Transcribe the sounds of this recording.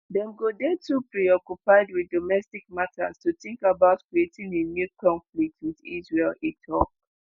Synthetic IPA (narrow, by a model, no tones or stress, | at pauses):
dɛ̃mɡodɛtupɹiɔkjupaɪdwiðdomɛstik̚matʰa̰stuθĩŋkabaʊtkɹietĩŋenjukʰɔ̃ɱflik̚twidḭsɹelitʰɔk